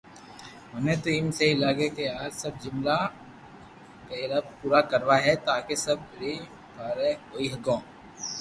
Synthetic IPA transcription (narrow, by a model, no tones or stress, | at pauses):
ɦɐnet̪oɪmseɦilaːɡekeaːɾsɐb̚d͡ʒʊmla | kaɾɐb̚puːɾakɐɾʋaɦɛt̪aːkesɐb̚ɾi | baːɾekoːiɦɐɡõː